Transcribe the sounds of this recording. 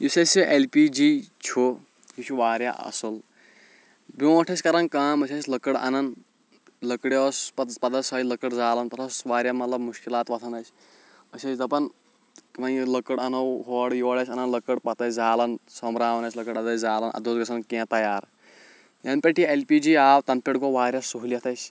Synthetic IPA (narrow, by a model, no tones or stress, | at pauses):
jusɐsiʔelpid͡ʒit͡ʃʰo | jut͡ʃʰuʋaːɾʲja̰ʔɐ̰sɐl | boʈʰɐsʲkɐɾɐnkaːmɐsʰɐt͡ʃʲləkəɽɐ̰nɐn | ləkɽoːspɐpɐd̪ɐsɐːiləkəɽzaːlɐnp̪ɐt̪ʰɐsʋaːɾʲjamɐt̪lɐbmuʃkilaːt̪ʋɐt̪ʰɐnɐt͡ʃʲ | ɐsʲɐt͡ʃʲzɐpɐn | ʋɐnləkəɽɐnɐwɦoːɽjoːɽɐsʲɐnɐnlɐkəɽpɐt̪ɐsd͡zaːlɐnsɐmɾaːʋɐnɐsʲlɐkəɽɐd̪ɐsd͡zaːlɐnʔɐ̰d̪oːzɡɐsʰɐnkẽːt̪ɐjaːɾ | jɐnpʲeʈielpiːd͡ʒiːaːwt̪ɐnpʲeʈɡoʋaːɾʲjasuɦljɐt̪ʰɐsʲ